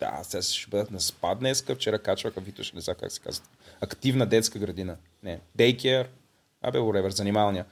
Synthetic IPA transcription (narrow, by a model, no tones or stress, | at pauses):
d̪a̰st̪ɛsʃɛbɤd̪ət̪nɐspad̪nɛskəft͡ʃɛɾakat͡ʃvəxəvit̪oʃɛnɛznaka̰ksɛ̥ka̰zət̪ | ɐkt̪ivnəd̪ɛt̪skəɡɾɐd̪inə | nɛd̪ɛjkʲɾ | a̰bɛlˠɾɛvɛɾzɐnimalˠnijə